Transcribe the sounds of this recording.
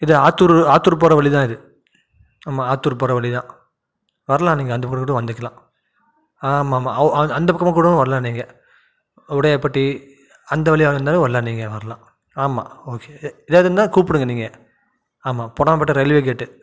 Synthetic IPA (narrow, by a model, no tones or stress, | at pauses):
ɪðɯaːt̪ːuɾaːt̪ːuɾp̬ɔːɾɐʋɐɭit̪ãːɪðɯ | aːmaːaːt̪ːuːɾpɔːɾɐʋɐɭit̪ãː | ʋɐɾɐlãːniːŋɡɐnd̪ɐpɐkːɐmɐkːuɽ̃ʋɐnd̪ɯkːɐlãː | aːmaːmaːɐnd̪ɐpɐkːɐmɐ̃kuːɽɐ̃ʋɐɾlãːniːŋɡɐ | ʊɽɐjɐpːɐʈːi | ɐnd̪ɐʋɐɭɪaːɯnd̪aːnɐ̃ʋɐɾlãniːŋɡɐʋɐɾɐlãː | aːmaːoːkeɪðeːʋɐðɯnd̪ãːkuːpɯɽɯŋɡɐniːŋɡɐ | aːmaːpɔɽɐmpɐʈːɯɾɛlʋeːk̬eːʈːɯ